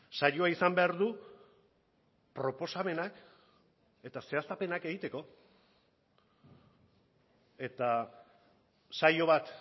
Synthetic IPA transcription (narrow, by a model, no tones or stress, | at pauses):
sajo̞aisambe̞aɾðu | pɾo̞po̞same̞nak | e̞t̪ase̞asape̞nake̞ɣit̪e̞ko̞ | e̞t̪a | sajo̞β̞at̪